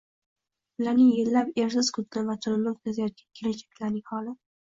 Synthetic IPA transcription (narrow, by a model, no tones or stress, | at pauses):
bʊlaɾnɪŋjelːape̞ɾsɪz̥kʰʊt̪lɪvat̪ʰʊllɪmt̪ʰazajɒt̪̚kʲankʲʰelɪt͡ʃʰḁkʲʰlanɪŋʲhɒlˠɪ